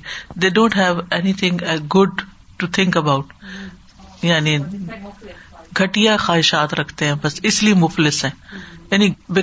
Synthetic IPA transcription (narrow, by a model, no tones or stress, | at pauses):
d̪eːɖõːɳʈɦɛʋɛnit̪ʰɪ̃ŋɡʊɖ̚ | ʈut̪ʰɪ̃ŋkəbaʊʈ | jaːni | ɡʱɐʈijaxaːɦɪʃaːt̪ɾɐkʰt̪eɦɛ̃ːbɐsɪsliimʊflɪsɛ̃ɛnibɪ